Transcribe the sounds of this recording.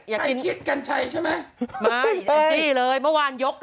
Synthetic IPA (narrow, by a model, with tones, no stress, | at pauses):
jaː˨˩˧i˧nkʰi˦˥t̪̚ka˧nt͡ɕʰa˧jt͡ɕʰa˥˩jma˨˦˥jmaː˧˩ja˧˩t͡ɕi˧˩ləː˧jməː˦˥waː˧njo˦˥k̚ː